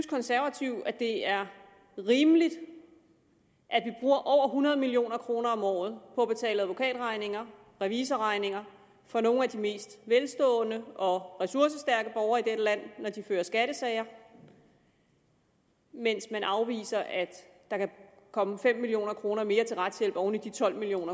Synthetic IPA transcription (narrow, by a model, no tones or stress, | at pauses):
skʰɒ̽nsæɐʋæt͡sʰiʊæd̥e̝æɐ | ʁiːmlid̥ | ʔæd̥ʋib̥ʁuːɐʔɒʊ̰ɐɦunɐð̞ˠəmilio̝̰ːnɐkʰʁo̝ːnɐɒ̽mɒ̰ːð̞̩ˠpʰɒ̽b̥e̝t͡sʰɛ̰ːləæðˠʋo̝kʰɛ̰ːd̥ʁɑ̈ɪne̝ŋɐ | ʁɛʋiːsɐʁɑ̈ɪne̝ŋɐ | fɒ̽no̝ːn̩æd̥ime̝̰ːsd̥ʋelsd̥ɔ̰̽ːnəɒ̽ʁɛsuɐsəsd̥æɐɡ̥əb̥ɒʊɐːid̥eɾəlæn̰ːɒd̥iføːɐsɡ̥æɾ̥əsɛɪɐ | men̰smænʔɑ̈ʊʋḭːsɐʔæd̥ | d̥ɑ̈kæ | kʰɒ̽məfem̰ːilijo̝̰ːnɐkʰʁo̝ːnɐme̝ːɐt͡sʰe̝lʁad̥sjel̰b̥ɒʊnid̥it͡sʰɒ̽l̰milio̝̰ːnɐ